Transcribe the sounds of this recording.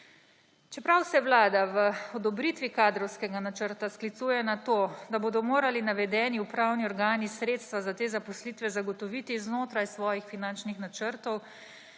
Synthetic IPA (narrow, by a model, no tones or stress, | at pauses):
t͡ʃɛpɾawsɛʋlaːd̪aʋəɔd̪ɔbɾit̪ʋikaːd̪ɾɔwskɛɡanat͡ʃəɾt̪asklit̪suːjɛnat̪oːd̪aboːd̪ɔmoːɾalinaʋɛd̪ɛːniupɾawniɔɾɡaːnisɾeːt̪st̪ʋazat̪eːzapɔslit̪ʋɛzaɡɔt̪ɔʋit̪iznoːt̪ɾajsʋɔːjixfinant͡ʃnixnat͡ʃəɾt̪ɔw